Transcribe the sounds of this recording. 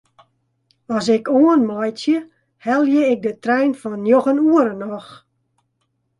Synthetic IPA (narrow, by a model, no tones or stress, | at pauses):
ɔsɪkoənmɔjtjə | hɛlˠjeɪk̚dətrɛjnfɔnjoxənuəɾənɔx